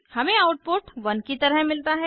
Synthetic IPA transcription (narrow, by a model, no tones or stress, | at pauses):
hɐmẽaʊʈ̚poːʈʋɐnkit̪ɐɾəɦmɪlt̪aɦɛ